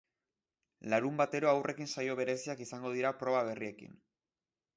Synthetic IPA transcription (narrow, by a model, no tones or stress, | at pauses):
laɾumbat̪e̞ɾo̞awrʔe̞kinsajo̞β̞e̞ɾe̞siakisaŋɡo̞ð̞iɾapɾo̞βaβ̞e̞rie̞kḭn